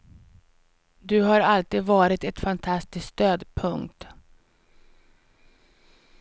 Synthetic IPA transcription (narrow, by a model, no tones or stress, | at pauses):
d̪ɵɦaɾalt̪iːd̪vɑːɾɪt̪ɛt̪fant̪ʰast̪ɪskst̪øːd̪pʰɵŋkt̪